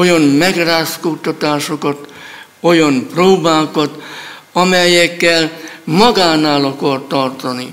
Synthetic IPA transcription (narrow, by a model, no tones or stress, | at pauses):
o̞jɒnmɛɡraːskut̪ɒt̪aːʃokɒt̪ | o̞jɒmproːbaːkɒt̪ | ɒmɛjɛkːɛlmɒɡaːnaːlɒkɒrt̪ɒrt̪ɒni